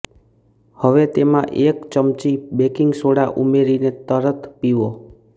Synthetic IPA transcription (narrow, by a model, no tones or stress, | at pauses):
həʋet̪emãʔekt͡ʃəmt͡ʃibekiŋɡsoɽaʔumeɾinet̪əɾət̪ʰpiʋo